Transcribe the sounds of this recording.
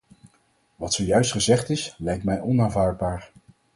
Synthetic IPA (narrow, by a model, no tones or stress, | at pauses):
ʋɑtsoːjœɥstχəzɛχtɪslɛjk̚tmɛjɔnaːnvaːɹd̚baːɹ